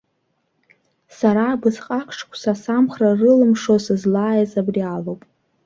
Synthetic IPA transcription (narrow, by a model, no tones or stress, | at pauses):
saɾabɨzqʼakʷʰʂʰkʷʰsasamχrarɨlɨmʂosɨzlaːjazabrialowpʼ